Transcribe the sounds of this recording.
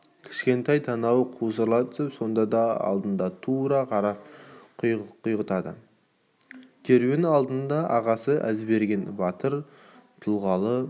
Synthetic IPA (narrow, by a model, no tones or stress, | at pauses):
kʲʰɪ̥ʃkʲe̞nt̪ɑjt̪ʰɑnɑwəqʰusəɾlˠɑd̪əpso̞nd̪ɑd̪ɑɑ̰lˠd̪ənd̪ɑt̪ʰuɾɑqʰɑɾɑp̚qʰqʰʊjʁət̪ɑd̪ə̰ | kʲʰeɾwenɑlˠd̪ənd̪ɑʔɑʁɑsəʔæzbe̞ɾɡʲe̞nbɑt̪əɾ | t̪ʰʊlˠʁɑlˠə